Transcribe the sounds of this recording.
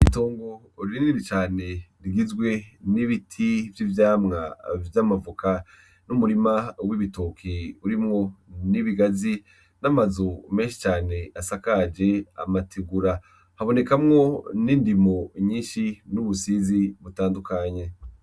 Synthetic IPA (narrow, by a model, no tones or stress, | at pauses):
itoːŋɡo̞ | ɾiiniɾit͡ʃaːne̞ɾiɡizɡwe̞niβitʰivjivjaːmŋa̰vjamavukʰa | numuɾimawiβito̞kʰeuɾimŋo̞niβiɡazi | namazome̞ːnʃi̥t͡ʃaːne̞asakad͡ʒe̞a̰matʰeɡuɾa | haβo̞ne̞kamŋo̞niːndimo̞ɲiːnʃinuβusiziβutaːndukaɲe̞